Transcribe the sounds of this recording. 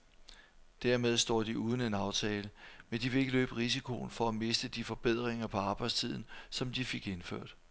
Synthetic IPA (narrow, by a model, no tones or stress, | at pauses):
d̥æɐ̰með̞ˠsd̥ɒ̰ːd̥iuːð̞ˠn̩e̝nɑ̈ʊt͡sʰɛːləmend̥iʋe̝le̝ɡ̥əlø̰ːb̥əʁis̬ikʰo̝̰nfɒ̽æme̝sd̥əd̥ifɒ̽b̥e̝ð̞̰ˠʁeŋɐpʰɒ̽ɑ̈ːb̥ɑ̈ɪ̰st͡sʰið̞̰ˠn̩sɒ̽md̥ife̝ɡ̥e̝nfø̰ɐ̰d̥